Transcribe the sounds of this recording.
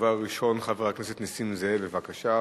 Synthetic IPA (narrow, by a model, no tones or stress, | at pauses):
vaʁːiʃo̞nχaveʁakneset̪nisimzebevakaʃa